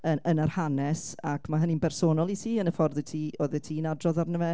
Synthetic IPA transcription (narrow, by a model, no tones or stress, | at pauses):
əənarhanɛsakʰmaɦəninbɛrsoːnɔlˠitʰiːənəfɔrðɪtʰiːoːðɛtʰiːnadrɔðarnəvɛ